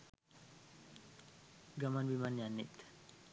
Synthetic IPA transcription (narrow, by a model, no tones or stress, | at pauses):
ɡamanbimanjanːit̪